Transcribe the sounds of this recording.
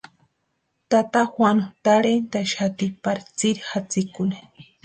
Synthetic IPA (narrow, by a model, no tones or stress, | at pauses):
t̪at̪axwanot̪aɾent̪aʃat̪ipaɾt͡siɾxat͡sɪkʊne